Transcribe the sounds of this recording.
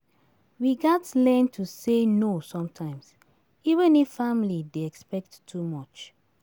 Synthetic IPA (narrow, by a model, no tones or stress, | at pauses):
wiɡatlɛ̃ntʰusenosɔ̃mtʰãɪ̃ms | ivə̃nifamlideɛkspɛk̚tːʰumɔt͡ʃ